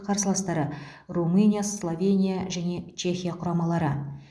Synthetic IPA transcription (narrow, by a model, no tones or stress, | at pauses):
qʰɑɾsəlˠɑst̪ɑɾə | rumɨnʲijaslˠovʲe̞nʲijaʒæne̞t͡ʃʰe̞xʲijaqʰʊɾɑmɑlˠɑɾə